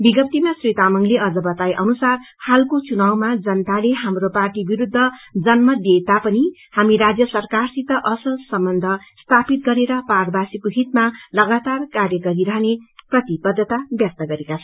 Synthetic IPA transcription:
biɡʌp̚t̪imasret̪amʌŋleʌd͡zʌbʌt̪ajʔʌnusar | halkot͡sunawmad͡zʌnt̪aleɦamroparʈibiɾud̪ʱːʌd͡zʌnmʌd̪et̪apʌni | hamiɾad͡zjʌsʌrkarsit̪ʌʔʌsʌsʌmbʌnd̪ʱʌst̪ʰapit̪̚ɡʌɾeɾʌparbasikoɦit̪malʌɡat̪arkarjʌɡʌɾiɾʌɦneprʌt̪ibʌd̪ʱːʌt̪abjʌk̚t̪ʌɡʌɾekat͡sʰʌ

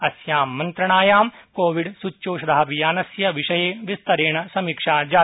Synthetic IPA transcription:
ɐsjaːmːɐnt̪ɾɐɳ̃aːjaːmkoːʋiɽsut͡ʃːʃoːʃɐd̪aːɐʋijaːnɐsjɐʋɪʃɐjeːʋɪst̪ɐɾeːɳ̃ɐsɐmikʃaːd͡ʒaː

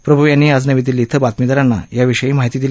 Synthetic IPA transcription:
pɾəbʱuʋjanːiad͡znəʋit̪iliːt̪ʰəbat̪mid̪əɾanːa̰jaʋiʂəjiːmaɦit̪iːd̪il

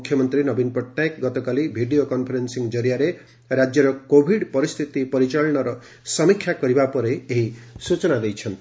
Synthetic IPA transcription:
kʰjɔmɔnt̪ɾinɔbinpɔʈːaekɡɔt̪ɔkalibʱiɖijokɔnpʰɔɾensiŋd͡ʒɔɾijaɾe | ɾad͡ʒjɔɾɔkobʱiɖpɔɾist̪ʰit̪ipɔɾit͡ʃɔɭɔɽ̃ɔɾɔ | sɔmikʰːjakɔɾibapɔɾeeɦisut͡ʃɔnad̪ejt͡ʃʰɔnt̪i̥

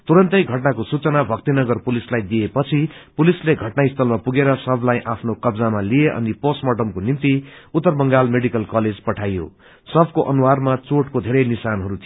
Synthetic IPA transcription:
t̪uɾʌnt̪ʌjɡʱʌʈnakosut͡sʌnabʱʌk̚t̪inʌɡʌrpulislajd̪iepʌt͡sʰipulisleɡʱʌʈnaist̪ʌlmapuɡeɾʌsʌbʱlajʔapʰnokʌbd͡zamalieʔʌ̰niposmʌʈʌmkonimt̪iut̪ːʌrbʌŋɡalmeɽikʌlkʌled͡zpʌʈʰajo̰ | sʌbʱkoʔʌnuwarmat͡soʈkod̪ʱeɾʌjnisanɦʌɾut̪ʰi

